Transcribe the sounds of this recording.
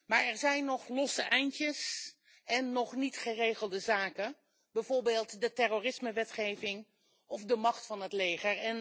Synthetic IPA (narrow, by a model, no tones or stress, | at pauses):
maːɹɛɹzɛjnːɔχlɔsəʔɛjntəs | ɛnːɔχnitχərejχəlˠdəzaːkə | bɛjvoːɹbeːlˠtdətɛroːrɪsməʋɛtχejvɪŋ | ɔfdəmɑχtfɑnɦətlejχəɹɛn